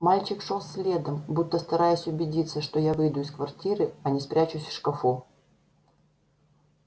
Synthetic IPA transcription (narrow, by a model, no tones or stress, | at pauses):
malʲt͡ɕɪkʂolˠsʲlʲe̞d̪əmbut̪ːəst̪ɐɾajʊsʲʊbʲɪdʲit̪sːəʂt̪ojavɨjd̪ʊɪskvɐrtʲiɾɨɐnʲɪspɾʲæt͡ɕʊsʲfʂkɐfo